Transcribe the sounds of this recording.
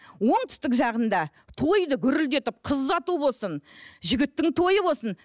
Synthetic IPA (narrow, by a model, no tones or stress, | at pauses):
wo̞ɴt̪ɪ̥st̪ɪkʒɑʁənd̪ɑ | t̪ʰo̞jd̪əkʲʰʏɾɪld̪e̞t̪ɪp̚qʰəzːɑt̪ubo̞lˠsənʒɪɡʲɪt̪ːɪŋt̪ʰo̞jəbo̞lˠsən